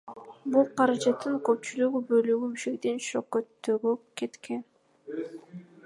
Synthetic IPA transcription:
bulˠqɑɾɑd͡ʒɑt̪ʰːɯŋkøp̚t͡ʃylyɡybø̞lyɡymiʃek̚t̪e̞nʃo̰kːøt̪ːøɡøke̞t̪kʰe̞n

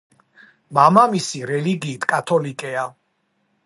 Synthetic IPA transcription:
mamamisiɾɛliɡiːt̪ʰkʼat̪ʰɔlikʼɛa

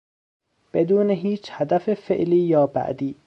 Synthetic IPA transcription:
b̥ed̪uːneɦiːt͡ʃʰhæd̪æfefeʔliːjɒːbæ̰ʔd̪iː

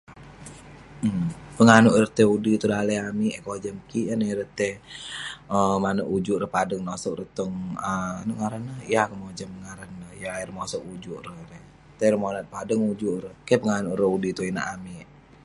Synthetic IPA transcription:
pəŋanuʔrət̪eudit̪udaləamiʔkod͡ʒəmkiʔəniɾət̪e | əmanəʔud͡ʒuʔɾəhpadəŋnosɔk̚rət̪ɔŋəanuʔŋaɾənːəhijakəmod͡ʒampəŋaɾənːəhjaairmosɔkud͡ʒuʔɾəhɾe | t̪eɾəmonat̪̚padəŋud͡ʒuʔɾəhkepəŋanuʔɾəudit̪uina̰ʔami

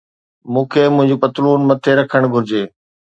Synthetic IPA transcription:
mũːkʰeːmʊ̃ɦɪ̃ɲd͡ʑuːpɐt̪luːnmɐt̪ʰeɾɐkʰəɽ̃ɡʱʊɾɪd͡ʑeː

